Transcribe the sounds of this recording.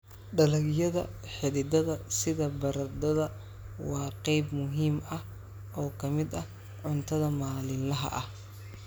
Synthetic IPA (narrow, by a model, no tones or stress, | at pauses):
ɖɐlɐɡjɐðɐ̰ħɪɾɪd̪ɐðɐsɪðɐbɐɾɐd̪ɐðɐ | wɑːqɛjbmʊɦiːmɐh | ʔɔːkʰɐmɪd̪ɐh | ʕʊnt̪ʰɐðɐmaːlɪnlɐɦɐ̰ʔɐh